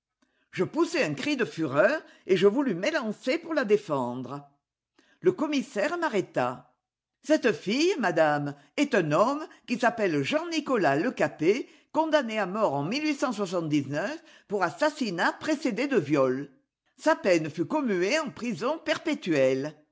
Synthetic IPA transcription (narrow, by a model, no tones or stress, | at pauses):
ʒ̥əpuseɛ̃kχid̪əfyʁœʁ | eʒəvulymelɑ̃sepuʁlad̪efɑ̃d̪ʁə | ləkɔmisɛʁmaʁet̪a̰ | sɛt̪əfijəmad̪am | ɛt̪ɛ̃nɔmkisapɛlʒɑ̃nikɔlaləkape | kɔ̃d̪aneamɔʁɑ̃milɥisɑ̃swas̬ɑ̃t̪̚d̪iznœf | puʁasasinapχesed̪ed̪əvjɔl | sapɛnəfykɔmyeɑ̃pχizɔ̃pɛʁpet̪yɛl